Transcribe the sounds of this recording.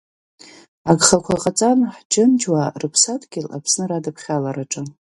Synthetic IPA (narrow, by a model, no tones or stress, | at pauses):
aɡχakʷʰalqʼat͡sʼanħd͡ʒɪnd͡ʒwarɨpʰsatʰʼɡʲɪla̰pʰsnɨradɨpʰχʲalaɾaʈ͡ʂʼɨ